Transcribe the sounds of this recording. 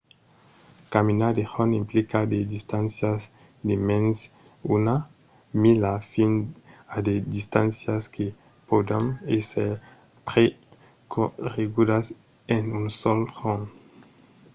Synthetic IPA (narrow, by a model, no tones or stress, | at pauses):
kaminad̪eʁonimplikad̪ed̪ist̪ãnsjaz | d̪emẽns | una | milafinad̪ed̪ist̪ãnsjaske | pod̪ameseɾ | pɾe | koʁeɡud̪as | enunsɔlhon